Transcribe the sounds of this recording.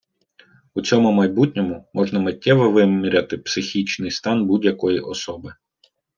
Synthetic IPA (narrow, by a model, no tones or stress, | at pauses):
ut͡sʲɔmʊmɐjbutʲnʲɔmʊmɔʒnɐmɐtʲːɛʋɔʋɪmʲiɾʲɐt̪ɪpsɪxʲit͡ʃnɪjst̪ɑnbudʲjɐkɔjiʔɔsɔbɪ